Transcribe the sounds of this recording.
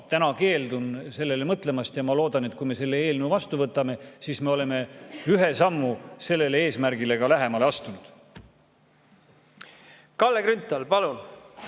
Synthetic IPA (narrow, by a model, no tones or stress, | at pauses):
t̪ænɑke̞ːld̪unse̞lːe̞le̞mɤt̪ˑle̞mɑst̪jɑmɑlo̞ːd̪ɑne̞t̪kujme̞se̞lːe̞e̞ːlnuwvɑst̪uvɤt̪ːˑɑme̞siːsme̞o̞le̞me̞yɦe̞sɑmːuse̞lːe̞le̞e̞ːsmærɡile̞ɡ̥ɑlæɦe̞mɑleɑst̪unud̪̥ | kɑlːeɡɾynt̪ːˑɑlpɑlun